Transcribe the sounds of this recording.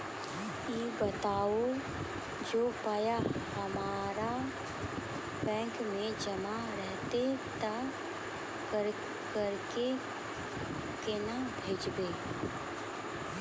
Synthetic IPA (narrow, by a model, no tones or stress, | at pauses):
iːbət̪aːo | d͡ʒoːpajahɐmaːɾa | bɛ̃ːŋkmẽd͡ʒəma | ɾɛɦt̪et̪a | əɾ | kəɾke | kenabʱeːd͡ʒbeː